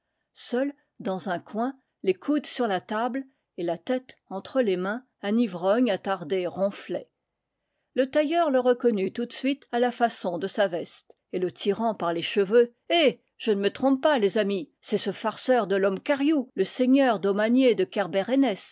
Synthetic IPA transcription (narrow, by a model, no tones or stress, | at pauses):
sœl | d̪ɑ̃zɛ̃kwɛ̃ | lekʰud̪syʁlat̪abl | elat̪ɛt̪ɑ̃t̪χəlemɛ̃ | ãnivʁɔɲat̪aʁd̪eʁɔ̃flɛ | lət̪ajœʁləʁəkɔnyt̪ut̪sɥit̪alafasɔ̃d̪əsavɛst̪ | elət̪ʰiʁɑ̃paʁleʃəvø | e | ʒ̥ənəmət̪χɔ̃ppːalezami | sɛsəfaʁsœʁd̪əlɔmkaʁjuləseɲœʁd̪ɔmanjed̪əkʲɛʁbɛʁenɛs